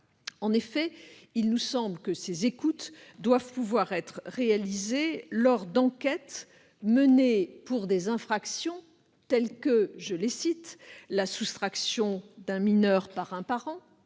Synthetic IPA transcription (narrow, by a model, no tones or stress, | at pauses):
ɑ̃nefɛilnusɑ̃blkəsezekut̪d̪wavpuvwaʁɛt̪χʁealizelɔʁd̪ɑ̃kʲɛt̪ | mənepuʁd̪ezɛ̃fχaksjɔ̃ | t̪ɛlkəʒəlesit̪lasust̪χaksjɔ̃d̪ɛ̃minœʁpaʁɛ̃paʁɑ̃